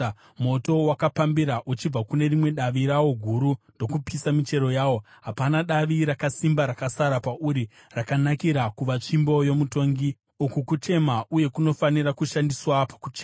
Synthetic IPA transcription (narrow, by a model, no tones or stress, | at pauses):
mo̞to̞wakapambiɾaʔut͡ʃib͡vakune̞rimwe̞ɗaʋiɾawo̞ɡʱuɾundo̞kupisamit͡ʃe̞ɾo̞jaːwo̞ | ɦapanaɗaʋiɾakasimbaɾakasaɾapaʔuɾi | rakanakiɾakuʋat͡ʂimbo̞jo̞muto̞ːŋɡi | ukukut͡ʃe̞mauje̞kuno̞faniɾakuʃandiswapḁkut͡ʃeːa